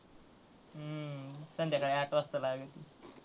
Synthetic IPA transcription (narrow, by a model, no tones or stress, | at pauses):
sənd̪ʱjakəɽeaʈoəst̪əlaɡət̪i